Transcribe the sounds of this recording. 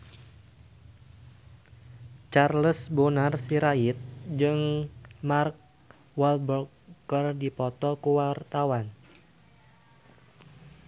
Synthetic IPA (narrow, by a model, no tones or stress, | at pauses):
t͡ʃarləsbonarsiɾaɪt̪̚d͡ʒɨŋmark̚ | walbɔkkərdipɔt̪ɔkuwart̪awan